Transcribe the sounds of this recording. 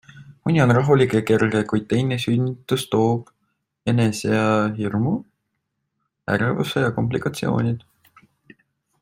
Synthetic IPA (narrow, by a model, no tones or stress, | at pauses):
munʲio̞nrɑɦulikˑeke̞rɡekujd̪̚t̪e̞jnesynʲːit̪ːˑust̪o̞ːb̥ | e̞neseɑɦirmu | æ̰ɾvṵsejɑko̞mp̬likˑɑt̪sio̞̰ːnʲid̪̥